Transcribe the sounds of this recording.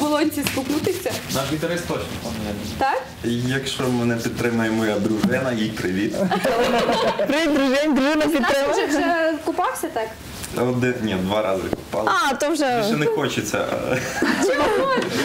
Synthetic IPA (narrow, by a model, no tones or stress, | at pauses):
bɔlˠɔnʲsʲiskʊpnut̪ɪsʲɐnaʃʋʲit̪ɐɾɪst̪ɔt͡ʃnɔpɐmjʲɛnɐt̪ɑk | jɐkʃt͡ʃɔmɪnɛpʲid̪t̪ɾɪmɐjɛmɔjad̪ɾuʒɪnɐjipɾɪʋʲit̪ɐ | pɾɪʋʲid̪d̪ɾʊʒɪnʲd̪ɾuʒɪnɐp̬ʲit̪ːɾɪmɐɛɛkʊpɑwsʲɐt̪ɑk | ɔd̪ɪnʲid̪ʋɑɾɑzɪ̰kʊpɑ̰lɑt̪ɔmʒɛʒɛnɛxɔt͡ʃɪt͡sʲːɐ̰